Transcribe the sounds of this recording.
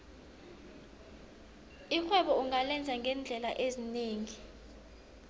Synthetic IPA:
ixwɛɓɔuŋalɛnd͡zʱaŋɡʱɛnd͡ɮʱɛlaʔezineːŋi

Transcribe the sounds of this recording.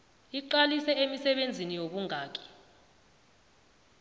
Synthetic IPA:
iǃalisɛemisɛɓend͡zʱinijoɓuŋʱaːk̬ʼi̥

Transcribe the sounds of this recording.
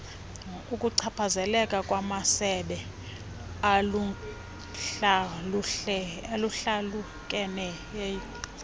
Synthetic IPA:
ukʼuǀʰapʰazɛlɛkʼakʼwamasɛɓɛ | alu | ualuɬalu | kʼɛnɛje

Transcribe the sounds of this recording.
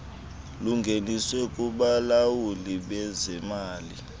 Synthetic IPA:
luŋɡʱeniswɛkʼuɓalawuliɓɛzɛmaːli

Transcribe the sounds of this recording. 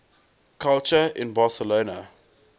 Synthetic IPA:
kʰalt͡ʃəɪ̰̃nbɑsəloːnə

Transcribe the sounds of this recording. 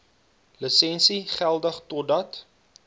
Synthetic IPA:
ləsɛnsiχælˠdəχtɔdɐt

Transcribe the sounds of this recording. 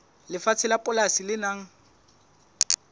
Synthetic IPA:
lɪfat͡sʰɪlapʼʊlasilɪnaŋ̩

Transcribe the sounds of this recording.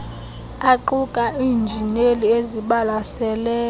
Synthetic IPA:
aǃukʼaʔiːnd͡ʒʱinelieziɓalasɛlɛː

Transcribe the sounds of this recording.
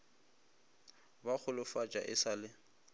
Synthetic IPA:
bak͡xʰʊlʊfat͡ʃʼa̰ʔɪsaːlɪ

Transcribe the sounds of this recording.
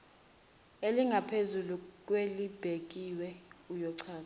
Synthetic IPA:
eliŋɡʱapʰezuluk̬ʼwelib̥ʱek̬ʼiwɛujɔǀʰaːz

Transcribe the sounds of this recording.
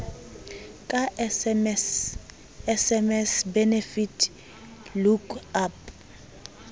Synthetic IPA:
kʼaɛs | ɛsɛmɛsbɛnefitʰ | lukap̚

